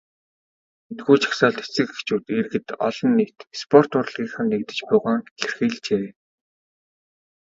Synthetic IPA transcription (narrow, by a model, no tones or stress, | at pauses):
ent̪ɡuːt͡ɕʰḁksaːɮt̪et͡sɘ̆kext͡ɕuːt̪erɣɘ̆t̪ɔ̰ɮɞ̆nːiːt̪spʰɔr̥t̪ʊr̆ɮʁiːkχə̆nːekt̪ɘ̆t͡ɕpʊːʁaːŋxerxiːɮt͡ɕeː